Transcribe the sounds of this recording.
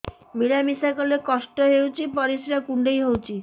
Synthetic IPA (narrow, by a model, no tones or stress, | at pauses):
miɽamisakɔlekɔsʈɔɦewt͡ʃʰipɔɾisɾakuɳɖejɦowt͡ʃʰi